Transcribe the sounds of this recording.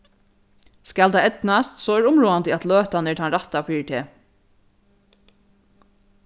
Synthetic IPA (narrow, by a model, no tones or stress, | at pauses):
skalt̪ajɛt̪nast̪sɔːɛɾʊmɹuːant̪əæt̪løːt̪anɛʈt̪ʰanɾat̪afiːɹɪt̪ʰeː